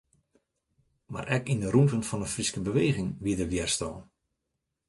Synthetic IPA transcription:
ma̰rʔɛkindəɾumtənfɔnəfriskəbəʋeːɣɪŋʋiədəʋjɛrstɔ̰ːn

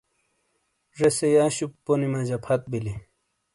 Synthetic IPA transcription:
ʐesejaːɕupːonimad͡ʑɐpʰɐt̪̚bili

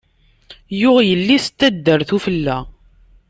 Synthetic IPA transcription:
jʊʁjəlːist̪ːæd̪ːəɾθufəlːæ

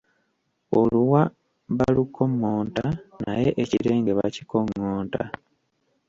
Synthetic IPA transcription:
oluwa | βalukʰo̞ŋːoːntana̰je̞ʔeciɾe̞ːŋɡeβaci̥ko̞ŋːoːnta̰

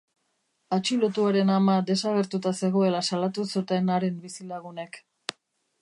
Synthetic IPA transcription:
at͡ʃilo̞t̪uaɾe̞namad̪e̞saɣ̞e̞ɾt̪ut̪ase̞ɣo̞e̞lasalat̪usut̪e̞naɾe̞mbisilaɣ̞une̞k

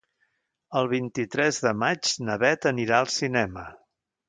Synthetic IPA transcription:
əlˠβ̞int̪it̪ɾɛzðəmad͡ʒnəβɛt̪əniɾaəlˠsinɛmə

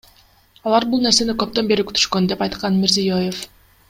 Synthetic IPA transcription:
ɑlˠɑɾbulˠne̞ɾse̞nikøp̚t̪ø̞nbe̞ɾiky̥t̪ʰy̥ʃkø̞nd̪e̞pɑjt̪qɑnmeɾzijojef

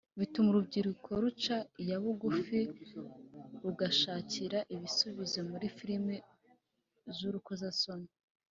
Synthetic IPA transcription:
βitumuɾub̚ɟiɾukʰo̞ɾut͡ʃajaβuɡufi | ɾuɡaʃaːciɾaʔiβisuβizo̞muɾifiɾime | zuɾukuzasoni

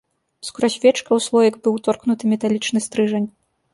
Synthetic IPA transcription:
skuɾɔsʲvʲɛt͡ʂkɐwslˠɔjɐɡbɨwt̪ɔrknut̪ɨmʲɛt̪alʲit͡ʂnɨst̪ɾɨʐɐnʲ

